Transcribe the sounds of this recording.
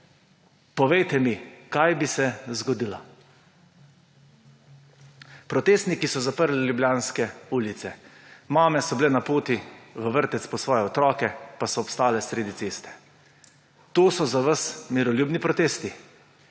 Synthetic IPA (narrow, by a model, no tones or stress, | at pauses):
pɔʋɛjt̪ɛmikajbisɛzɡɔd̪ilɔ | pɾɔt̪eːst̪nikisɔzapəɾlilʲjubljaːnskɛuːlit̪sɛmaːmɛsɔblɛnapoːt̪iʋəʋəɾt̪ɛt̪spɔsʋɔːjɛɔt̪ɾɔːkɛpasɔːpst̪aːlɛsɾeːd̪it̪seːst̪ɛ̥ | t̪oːsɔzaʋasmiɾɔljuːbnipɾɔt̪eːst̪i